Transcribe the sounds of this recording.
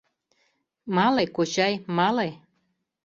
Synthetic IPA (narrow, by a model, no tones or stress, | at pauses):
mɑlekot͡ɕɑjmɑle